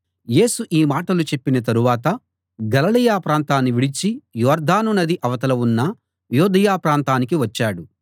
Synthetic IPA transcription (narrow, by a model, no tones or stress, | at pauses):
je̞ːsuʔiːmaːʈɐlut͡ʃe̞pːinɐt̪̬ɐɾuʋaːt̪ɐ | ɡɐlɐlɐjaːpɾaːnt̪aːnːiʋiɽit͡ʃijɔːɾd̪ʱaːnunɐd̪iʔɐʋɐt̪ɐlɐunːɐ | jɔːd̪ʱɐjaːpɾaːnt̪aːnikiʋɐt͡ʃːaːɽu